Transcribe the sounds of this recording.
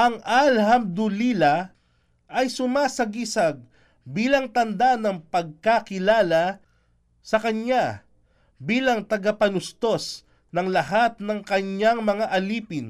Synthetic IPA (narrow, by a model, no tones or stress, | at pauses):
ʔɐŋʔalhɐmd̪ʊlilɐ | ʔɐjsʊmaːsɐɡisɐɡ̚ | biːlɐŋt̪ɐnd̪anɐŋpɐɡ̚kakɪlaːlɐ | sɐkɐɲa | biːlɐŋt̪ɐɡapɐnʊst̪o̞s | nɐŋlɐhat̪̚nɐŋkɐɲaŋmɐŋaʔɐliːpɪn